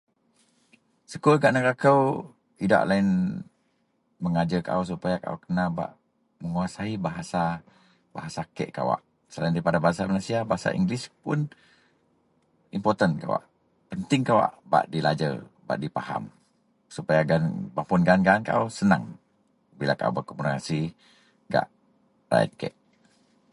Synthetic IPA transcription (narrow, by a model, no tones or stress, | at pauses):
səkulɡaʔnəkakəw | ida̰ʔlain | məŋad͡ʒəka̰ʔəs̬upajaka̰ʔo̰wkənaba̰ʔ | məŋuasaibaɦasa | baɦasakɛ̰ʔka̰wa̰ʔ | səlaindaɾipadabaɦasamalasiabaɦasa̰ʔḭŋɡlɪspʊ̰n | impɔrt̪ənka̰wa̰ʔ | pənt̪ɪŋkawa̰ʔba̰ʔdilad͡ʒə̰ | ba̰ʔdipaha̰m | supajaɡanbaʔpunɡanɡaːnka̰ʔusənaŋ | bilakaṵbərkɔmurkasi | ɡa̰ʔ | ra̰jə̰t̪̚kɛ̰ʔ